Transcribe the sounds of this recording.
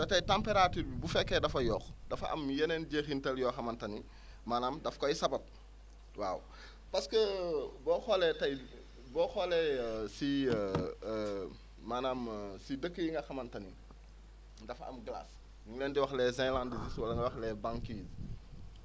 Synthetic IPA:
dɐtɐjtampeɾatyːɾbibufɛkːɛdɐfɐjɔːxdɐfɐʔɐ̰mjɛnɛnɟexintɛljɔxɐmɐntɐni | maːnaːmdɐfkɔjsɐbɐp̚ | waːw | pɐskəbɔːxɔlɛtɐj | bɔxɔlɛsi | manaːmsidəkːəjiŋɡɐxɐmɐntɐni | dɐfɐ̰mɡla̰s | ɲuŋlɛːndiwɐxlɛzɛ̃lãndiziswɐlɐŋɡɐwɐxlɛbãŋkiːz

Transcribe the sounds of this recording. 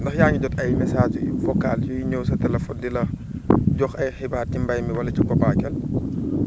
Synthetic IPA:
ndɐxjaːɲuɟɔtɐjmɛsaːd͡ʒfɔkːaːlt͡ʃujiɲowsɐtɐlɐfɔndilɐ | ɟɔxɐjxibaːɾtimbajmiwɐlɐt͡ʃikɔbaːkɛl

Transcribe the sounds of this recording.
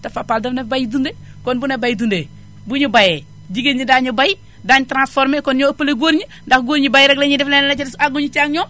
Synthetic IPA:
tafapaldɐfnebajidunde | konbunebajidunde | buɲibaje | d͡ʒiɡeɲidaːɲibaji | daːɲitɾãnsfoɾmekonɲopəleɡoɾɲi | ndakɡoɾɲibajiɾeɡleɲidiflenlat͡ʃidsaɡuɲit͡ʃaŋɲo

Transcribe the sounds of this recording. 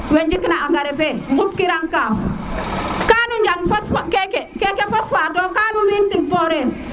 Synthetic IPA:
wend͡ʒikinaaŋɡaɾefeŋɡup̚kiɾaŋkam | kanuɲd͡ʒaŋfaskekekekefasfadokanuɾintik̚boɾen

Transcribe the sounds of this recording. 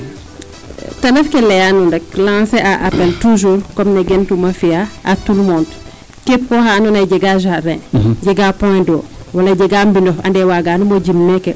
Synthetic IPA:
tɐnɐfkɛlɛjanundɐk̚lãːseʔaʔapɛltuʒuːɾkɔmnɛɡɛntumɐfiaʔatulmɔnd | kepːɔːhanunɐjɟɛɡaʒarɛ̃ɟɛɡapɔ̃dɔːwɐlɐɟɛɡambindɔɐ̰ndɛwaɡaːnumoɟimːɛkɛ

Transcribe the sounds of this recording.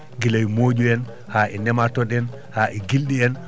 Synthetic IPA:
ɡilawmoːd͡ʒuɛn | haːʔɛnɛmatɔɗɛn | haʔɛɡilɗiɛn

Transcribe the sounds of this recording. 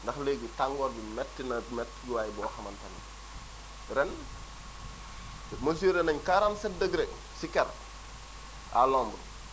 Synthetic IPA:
ndɐxleɡitaŋɡɔːɾbimɛtːinɐmɛtːɡiwaːjibɔːxɐmɐntɐnḭ | ɾɛn | mɐs̬iːɾɛnɐɲkaɾansɛdəɡɾɛk | sikɛɾ | a̰lɔːmbu

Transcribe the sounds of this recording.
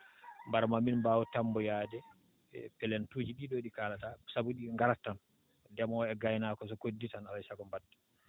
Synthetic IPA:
mbaɾmaminmbaːwutambɔjaːdɛ | pɛlɛntuːd͡ʒiɗiɗɔɗikaːlatasabuɗiŋɡaɾatːan | dɛmɔɛɡajnaːkɔsɔkodːitanalasaɡɔmbadːḁ

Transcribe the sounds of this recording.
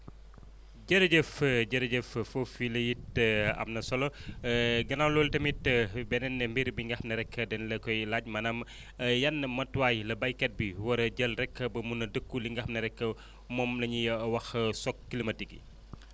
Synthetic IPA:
ɟəɾɐɟəfɟɐɾɐɟəffofilɐjitɐ̰mnɐsɔlɔ | ɡɐnawlɔːltɐmitəbɛnɛnːɛmbiɾbiŋɡɐxmnɐɾɛkːədɛnlɐkɔjlaɟmɐnɐm | jɐnːɐmɐtwaːjlɐbɐjkɛt̚biwɐɾɟəlrɛkːəbɐmunɐdəkːuliŋɡɐxmnɐɾɛkːə | mɔːmlɐɲijɐwɐxsɔk̚ːilimɐdiɡḭ

